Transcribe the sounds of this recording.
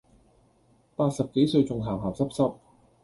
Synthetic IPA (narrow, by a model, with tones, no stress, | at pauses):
paː˧t̚sɐ˨p̚ke˨˥jsɵ˧ɥt͡sʊ˨ŋɦaː˨˩wɦaː˨˩wsɐ˥p̚sɐ˥p̚